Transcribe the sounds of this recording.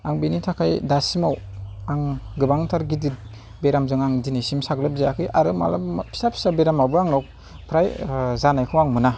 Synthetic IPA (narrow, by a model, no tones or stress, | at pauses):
aŋbinitʰakʰajdasimaw | aŋɡɯbaŋtʰaɾɡidit̚ | beɾamzɯŋaŋdinisimsaɡlɯp̚zajakʰɯjʔaɾɯma̰lapʰi̥sapʰi̥sabeɾamabɯaŋnɔk̚ | pʰɾajzanajkʰɯwaŋmɯna